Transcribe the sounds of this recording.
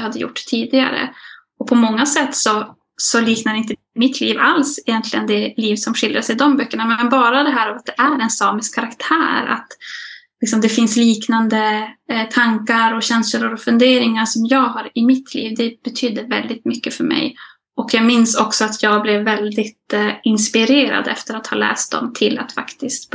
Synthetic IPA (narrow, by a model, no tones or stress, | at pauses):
had̪ːəjʊ̰ʈːt̪ʰiːd̪ɪɡa̰ɾə̰ | ɔpʰɔmɔŋːasɛt̪ːsɔ | sɔliːknad̪ɛɪnt̪̬ə | mɪt̪ʰliːvalsɪjɛnt̪ʰlɪɡənd̪ɛliːvsɔmɧɪldɾaʂɛjd̪ɔmbœkːəɳamɛɛnbɑːɾad̪ɛɦæːɾavat̪̚d̪ɛʔæɾɛnsɑːmɪskʰːaɾakt̪ʰæ̰ːɾa̰t̪lɪksɔmd̪ɛfɪnsliːknand̪ət̪ʰaŋkaɾɔɕɛnsləəɾɔfɵnd̪eːɾɪŋaʂɔmjɑːɡɦaɾɪmɪt̪ʰlḭːvd̪ɛb̥ɛt̪ʰyːd̪əvɛ̰ld̪ɪt̪mʏkːəfœɾmɛ̰j | ʔɔkjɑːɡmɪnsɔksɔat̪ʰjɑːɡ̚blɛvːɛld̪ɪt̪ɪnspɪɾeːɾa̰d̪ɛft̪əɾat̪hɑ̰ːlɛ̰ːst̪̚d̪ɔ̰mt̪ʰɪlːa̰t̪fa̰kt̪ɪst̪b